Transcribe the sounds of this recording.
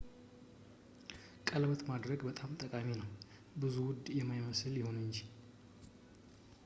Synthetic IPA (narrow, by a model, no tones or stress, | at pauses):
kʼəlbət̪mad̪ɾəɡbət̪ʼamt̪ʼəkʼaminəw | bɨzuwʊd̪jɛmajməsɨljɪho̞nɨɲd͡ʒi